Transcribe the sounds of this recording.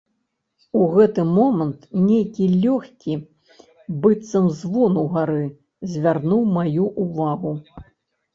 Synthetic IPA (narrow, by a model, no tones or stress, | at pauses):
uɣɛt̪ɨmɔmɐnt̪nʲejkʲilʲɔxʲkʲi | bɨt̪sɐmzvɔnuɣaɾɨ | zʲvʲarnuwmajuʔuvaɣu